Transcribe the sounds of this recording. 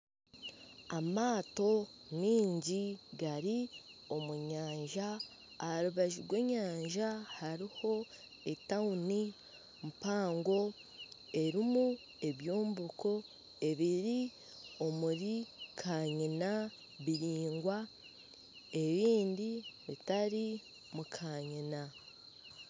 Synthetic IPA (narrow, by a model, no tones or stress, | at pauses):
amaːto̞ | niːɲɟiɡaɾio̞muɲaːɲʒaː | haɾuβaʒiɾɡwe̞ːɲaːɲʒahaɾiho̞ | e̞tauni | mpaːŋɡo̞ | e̞ɾimu | e̞βjo̞ːmbuko̞ | e̞βiɾi | o̞muɾikʰaːɲina | βiɾiːŋɡwa | e̞βiːndiβitaɾi | mukʰaːɲina